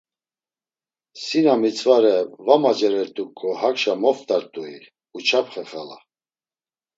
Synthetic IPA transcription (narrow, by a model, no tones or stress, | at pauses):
sinamit͡sʰvaɾɛvamad͡ʒɛɾɛɾt̪ʼukʰʼːɔhakʃamɔft̪ʼaɾt̪ʼui | ut͡ʃʰapχɛχala̰